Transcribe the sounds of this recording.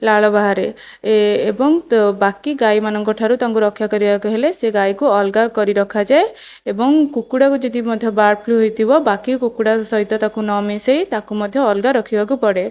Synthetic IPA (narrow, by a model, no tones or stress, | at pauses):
laɭɔbaɦaɾeː | bɔŋbakiɡajmanɔŋkɔʈʰaɾut̪aŋkuɾɔkʰjakɔɾibakuɦeleseɡajkuɔlɡaɾkɔɾiɾɔkʰad͡ʒae | ebɔŋkukuɽakud͡ʒed̪imɔd̪ʱjɔbaɾpʰluɦojt̪ʰibɔbakikukuɽasɔɦit̪ɔt̪akunɔmisejt̪akumɔd̪ʱjɔːlɡaɾɔkʰibak̬upɔɽe